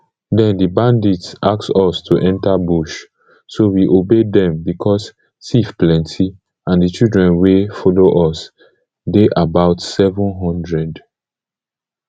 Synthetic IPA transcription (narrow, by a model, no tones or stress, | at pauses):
dɛ̃ndibãnditsʔaksɔstʰuʔɛ̃ntabuʃ | sowiʔobedɛ̃mbikʰɔs | sifplɛ̃ntʰi | ãndit͡ʃildɹɛ̃nwefɔloʔɔs | deʔabaʊtsɛvɔ̃nɦɔ̃ndɹɛd